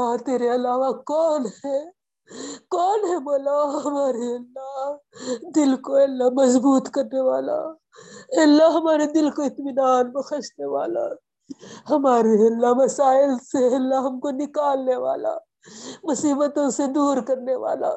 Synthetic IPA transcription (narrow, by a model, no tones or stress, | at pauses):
at̪eːɾeɐlaːʋakɔːnɦɛ | kɔːnɦɛmoːlaɦɐɦɐmaːɾeɐlːa | d̪ɪlkoɛːlːamɐzbuːt̪kɐɾneʋaːla̰ | ɛːlːaɦɐmaːɾed̪ɪlkoɪt̪mɪnaːnmexɐʃneʋa̰ːla̰ | hɐmaːɾeɐlːaʋɐsaːɪlseɛlːaɦɐmkonɪkaːlneʋa̰ːla̰ | mʊsiːbət̪õsed̪uːɾkɐɾneʋa̰ːla̰